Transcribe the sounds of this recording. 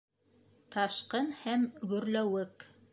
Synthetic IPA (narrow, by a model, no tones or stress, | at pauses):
t̪ɑʃqɤnhæmɡɵ̆ɾlæwɘk